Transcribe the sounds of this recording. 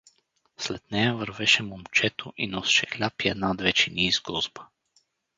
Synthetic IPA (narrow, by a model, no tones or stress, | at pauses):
slɛt̪nɛjavəɾvɛʃɛmomt͡ʃɛt̪oʔinɔsi̥ʃɛxlʲapiɛd̪nad̪vɛt͡ʃiniːzɡɔzba